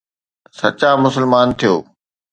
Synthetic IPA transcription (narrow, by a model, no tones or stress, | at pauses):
sɐ̰t͡ɕamʊsəlmaːnt̪ʰijoː